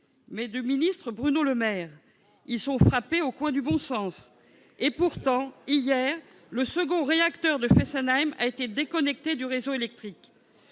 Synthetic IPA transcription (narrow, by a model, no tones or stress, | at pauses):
mɛd̪əminist̪χəbʁynoləmɛːʁ | ilsɔ̃fχapeokwɛ̃d̪ybɔ̃sɑ̃s | epuʁt̪ɑ̃ijɛʁ | ləsəɡɔ̃ʁeakt̪œʁd̪əfɛsɛnajma̰et̪ed̪ekɔnɛk̚t̪ed̪yʁezoelɛk̚t̪χik